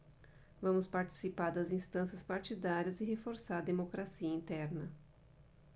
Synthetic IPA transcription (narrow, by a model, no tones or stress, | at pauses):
vɐ̃mʊspaɾt͡ʃi̥sipaɾd̪ɐzĩst̪ɐ̃sɐspaɾt͡ʃid̪aɾiɐzɪɦefoɾsaɾɐd̪emokɾasiɐĩnt̪ɛɾnɐ